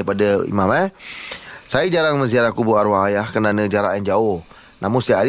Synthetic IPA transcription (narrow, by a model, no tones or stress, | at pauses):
ipadaḭmãmɛ | sajəd͡ʒaɾaŋmə̃nz̬iaɾakubuaɾwaajahkənanəd͡ʒaɾaʔjand͡ʒaʊh | namʊnsiaaɾ